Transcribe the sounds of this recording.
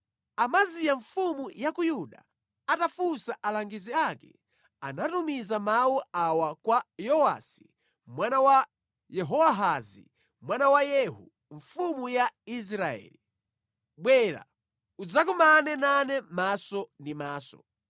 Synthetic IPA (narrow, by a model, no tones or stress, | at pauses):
amazijaɱfumujakujuɗa̰ | atafusaʔalaŋɡiziakɛ | anatumizamawuawakwajɔwa̰si̥ | mwanawa | jɛɦɔwaɦazḭ | mwanawajɛɦu | ɱfumujais̬ɾaɛ̰ːli | ɓwɛɾa̰ | ud͡zak̬umanɛnanɛmasɔndimaːsɔ̰